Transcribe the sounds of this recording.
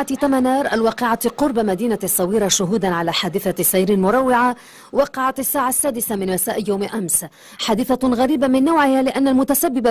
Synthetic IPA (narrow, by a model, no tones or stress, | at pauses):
at̪amanɑːɾˤʔalwɑːqɪʕaqʊɾˤbamad̪iːnasˤːɑwiːɾɑʃʊɦuːd̪anʕalaħaːd̪ɪθasˤajɾɪlmʊɾˤɑwːɪʕa | wɑqɑʕat̪asːaːʕasːaːd̪ɪsamɪnmasaːʔɪjawmʔams | ħaːd̪ɪθaɣaɾiːbamɪnːawʕɪhalɪʔanːalmʊt̪asabːɪba